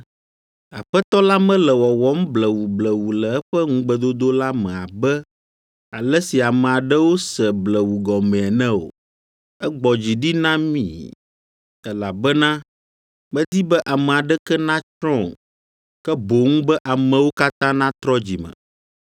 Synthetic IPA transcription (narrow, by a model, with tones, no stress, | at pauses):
a˨ɸɛ˦t̪ɔ˦la˦mɛ̃˦lɛ˨wɔ˨wɔ˦m˦blɛ˨wu˨blɛ˨wu˨lɛ˨ɛ˦ɸɛ˦ŋũ˦ɡ͡bə˦d̪o˦d̪o˦la˦mɛ̃˨a˨bɛ˦ | a˨lɛ˦si˨a˨mɛ˨a˨ɖɛ˦wo˦sɛ˨blɛ˨wu˨ɡɔ˨mɛ̃˨ɛ˨nɛ̃˦o̰˨ | ɛ˦ɡ͡bɔ˨d͡ʑi˨ɖi˦nã˦mḭ̃˦˨ | ɛ˦la˨bɛ˦nã˦ | mɛ̃˦d̪i˦bɛ˦ʔa˨mɛ̃˨a˨ɖɛ˦kɛ˦nã˦t͡ʃɾɔ̃˦˨ | kɛ˦bo˨ŋũ˦bɛ˦ʔa˨mɛ̃˨wo˦ka˦t̪ã˦nã˦t̪ɾɔ˦d͡ʑi˨mə̰̃˨